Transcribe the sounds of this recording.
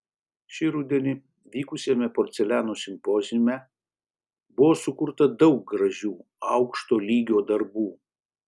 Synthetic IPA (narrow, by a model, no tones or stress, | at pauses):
ʃʲɪɾʊd̪ʲɛnʲɪ | ʋʲiːkʊsʲɛmʲɛpoːɾʲt̪sʲɛlʲæːnoːsʲɪmpoːzʲɪmʲɛ | bʊʋoːsʊkʊɾt̪ɐd̪ɒʊk̚ɡɾɐʒʲuː | ɐʊkʃt̪oːlʲiːɡʲoːd̪ɐɾbuː